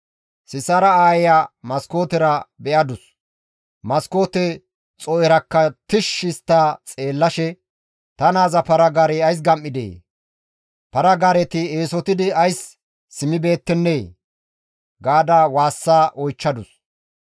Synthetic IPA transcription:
sɪsɐɾɐaːjɪjamɐsko̞ːt̪ɛɾɐbɛʔɐd̪ʊs | mɐsko̞ːt̪ɛ | t͡sʼɔʔɛɾɐkːɐt̪ɪʃɪst̪ːaːt͡sʼe̞ːlːɐʃɛ | t̪ɐnaːzɐpɐɾɐɡaːɾeɐjs̬ɡɐmʔːɪd̪ḛː | pɐɾɐɡaːɾɛt̪ɪeːsɔt̪ɪd̪ɪɐjsː | ɪmɪbe̞ːt̪ːɛnːeː | ɡaːd̪awaːsːaːʔɔjt͡ʃːɐd̪ʊs

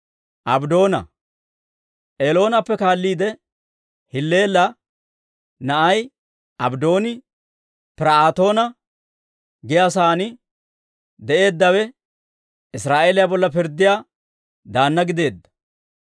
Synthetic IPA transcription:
ʔɐbd̪o̞ːnɐ̰ | ʔeːlo̞ːnɐpːɛkaːlːiːd̪ɛ | hɪlːe̞ːlːɐ | nɐʔɐj | ɐbd̪o̞ːnɪ | pɪɾɐaːt̪o̞ːnɐ | ɡɪjaːs̬aːnɪ | d̪ɛʔe̞ːd̪ːɐwɛ | ɪsɾaːʔe̞ːlɪjabɔlːɐpɪɾd̪ːɪjaː | d̪aːnːɐɡɪd̪e̞ːd̪ːɐ̥

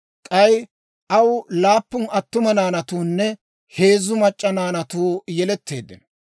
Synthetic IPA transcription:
kʼɐj | ʔɐwlaːpːʊnɐt̪ːʊmɐnaːnɐt̪uːnːɛ | he̞ːzːʊmɐt͡ʃʼːɐnaːnɐt̪uːjɛlɛt̪ʰːe̞ːd̪ːɪ̰n

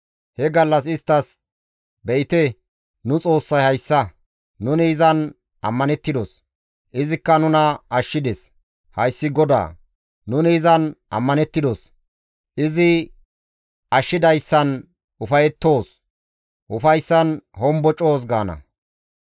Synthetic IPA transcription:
hɛɡɐlːɐs̬ɪst̪ːɐs | bɛʔɪt̪ɛ | nʊt͡sʼo̞ːsːɐjhɐjsːɐ | nʊnɪːzɐn | ʔɐ̰mːɐnɛt̪ːɪd̪os | ʔɪzɪkːɐnʊnɐɐʃːɪd̪ɛs | hɐjsːɪɡɔd̪a̰ː | nʊnɪːzɐnʔɐ̰mːɐnɛt̪ːɪd̪os | ʔɪzɪ | ɐʃːɪd̪ɐjsːɐn | ʊfɐjɛt̪ːo̞ːs | ʔʊfɐjsːɐnhɔmbɔt͡ʃʼo̞ːs̬ɡaːnɐ̰

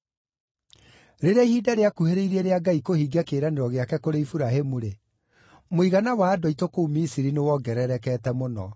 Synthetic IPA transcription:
ɾeɾeaihiːdaɾeakuheɾeiɾeɾeaɡaikohiːɡakeːɾaneɾɔɣeakɛkoɾeifuɾaɦemuɾe | moiɣanawaːdoaitokoumisiɾinewɔɡɛɾɛɾɛkɛːtɛmonɔ

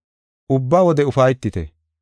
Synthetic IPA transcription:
ʔʊbːaːwɔd̪ɛʊfɐjt̪ːɪt̪ɛ̰

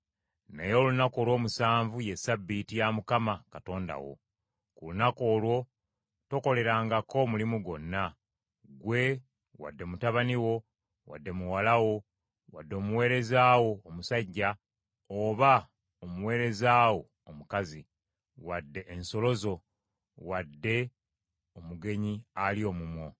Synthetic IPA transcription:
nejo̞ːlunako̞ːlwo̞ːmusaːɱvuje̞sabːitijamukamakato̞ːnda̰wo̞̰ | kulunako̞ːlwo̞ | to̞ko̞le̞ɾaːŋɡako̞mulimuɡo̞nːa | ɡwe̞ | wa̰dːe̞mutaβaniwo̞ | wa̰dːe̞muwalawo̞ | wadːo̞ːmuwe̞ːɾe̞zaːwo̞ːmusaɟːa | oβa | omuwe̞ːɾe̞zaːwo̞ | omukazi | wadːe̞ʔːnso̞lo̞zo̞ | wadːe̞ | omuɡe̞ɲialio̞ːmumwo̞

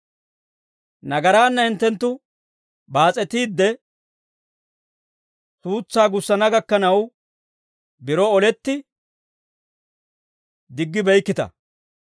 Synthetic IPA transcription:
nɐɡɐɾaːnːɐhɪnt̪ːɛnt̪ːʊ | baːt͡sʼɛt̪iːd̪ːɛ | suːt͡sːaːɡʊsːɐnɐɡɐkːɐnɐw | bɪɾɔɔlɛt̪ːɪ | d̪ɪɡːɪbɛjkːɪt̪ɐ̰

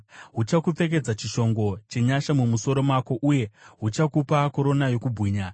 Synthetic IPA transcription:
ɦut͡ʃakup͡fe̞k̬e̞d͡zat͡ʃiʃo̞ŋɡo̞t͡ʃe̞ɲaʃamumuso̞ɾo̞mako̞ʔuje̞ɦut͡ʃakupako̞ɾo̞najo̞kubʱwiːɲa

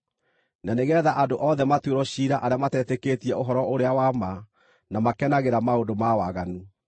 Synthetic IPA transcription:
naneɣɛːðaʔadoʔɔðɛmatweɾɔɕiɾaʔaɾeamatɛːteketiɛoɦɔɾɔʔoɾeawama | namakɛnaɣeɾamaondomawaɣani

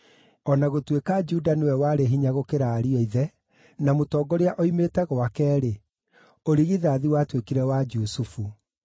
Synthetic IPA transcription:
ɔnaɣotwekad͡ʒudanewɛwaɾeɦiɲaɣokeɾaːɾiɔiðɛ | namotɔɡɔɾeaʔoimeːtɛɣoakɛːɾe | oɾiɣiðaːðiwatwekiɾɛwad͡ʒusufu

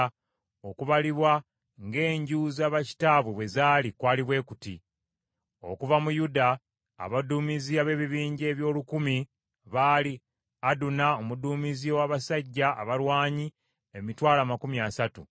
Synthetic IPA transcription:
o̞kuβaliβwa | ŋɡe̞ːɲɟuːzaːβaci̥taːβweβwe̞zaːlikwaːliβwe̞ːkutḭ | o̞̰kuvamujuda̰ː | βaduːmiziaβe̞βiβiːɲɟe̞ːβjo̞ːlukumi | βaːli | adunaomuduːmiziowaːβasaɟːa̰ːβalwaːɲi | emitwaːlamakumiasatṵ

